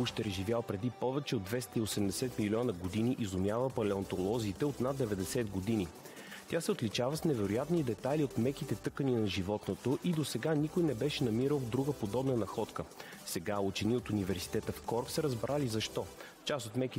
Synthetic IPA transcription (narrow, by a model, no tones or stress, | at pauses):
uʃt̪ɛɾʒivʲjalˠpɾɛd̪ipɔvɛt͡ʃɛod̪vɛst̪əiosɛmd̪ɛsɛt̪milʲɔnəɡod̪iniʔizʊmʲjavəpɐlɛont̪olˠɔziːt̪ɛot̪nad̪̚d̪ɛvɛd̪ɛsɛd̪ɡod̪ini | t̪ʲasɛot̪lit͡ʃavəsnɛvɛɾʊjat̪nid̪ɛt̪alʲiot̪mɛkit̪ɛt̪ɤkəninɐʒivɔt̪not̪oʔid̪osɛɡanikojnɛbɛʃɛnɐmiɾəlˠd̪ɾuɡəpod̪ɔbnənɐxɔt̪kə | sɛɡaut͡ʃɛniot̪univɛɾsi̥t̪ɛt̪əfkɔɾksəɾəzbɾalizɐʃt̪ɔ | t͡ʃasot̪mɛki